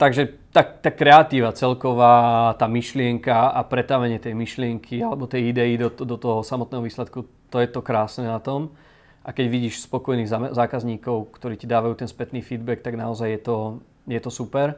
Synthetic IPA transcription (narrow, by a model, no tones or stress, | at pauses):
t̪aɡʒɛt̪at̪akɾɛat̪iːʋat͡sɛlkɔʋaːt̪aːmiʃlɪɛŋkaapɾɛt̪aʋɛɲɪɛt̪ɛjmiʃlɪɛŋkʰialɛbɔt̪ɛjid̪ɛid̪ɔd̪ɔt̪ɔɦɔsamɔt̪nɛːɦɔʋiːslɛt̪ku | t̪ɔjɛt̪ɔkɾaːsnɛnat̪ɔm | ʔakɛɟʋiɟiːʃspɔkɔjniːɣzazaːkazɲiːkɔʊkt̪ɔɾiːcid̪aːʋajuːt̪ɛnspɛt̪niːfiːd̪bɛk̚t̪aɡnaɔzajjɛt̪ɔ | jɛt̪ɔsupɛɾ